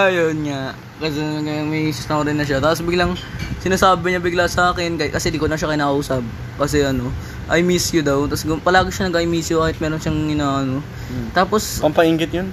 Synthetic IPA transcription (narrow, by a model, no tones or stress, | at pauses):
ʔɐjonŋaʔ | kɐsɛkɐmɐjsʊst̪ɐɾɪnːɐʃat̪aːposbɪɡlɐŋsɪnaːsaːbɪɲɐbɪɡlasɐʔaːkɛnkɐkɐsɛd̪ikonɐŋʃakɐjnɐkɐʔuːsɐb̚ | kɐs̬ɛʔɐno̞ | ʔɐjmɪsjʊd̪ɐwt̪ɐsɡʊpɐlaːɡɪʃɐnɐɡaːʔɪmisjʊkaːhɪt̪̚mɛːɾonʃɐŋɪnaːʔɐno̞ | t̪aːpo̞spɐmpɐʔiŋɡɪt̪̚jon